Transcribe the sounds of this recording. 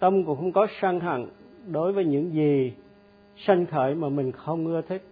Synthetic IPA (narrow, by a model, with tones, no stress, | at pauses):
t̪ə˧mkʊ˧˥ŋ͡mxə˧wŋ͡mkɔ˨˦saː˧ŋɦa̰˧˨ŋɗo˨˦jvəː˨˦jɲɨ̰˧˥ŋzi˨˩ | sa˧jŋ̟xʰəː˧˩jmaː˨˩mï˨˩ŋ̟xə˧wŋ͡mŋɨ˧ət̪ʰi˦˥k̚